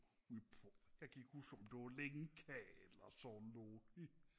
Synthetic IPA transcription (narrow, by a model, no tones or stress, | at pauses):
upʰɔjɑɪɡ̥iɡ̥husɔmd̥e̝ʋɑleŋkʰɛelɐsɔnːoːni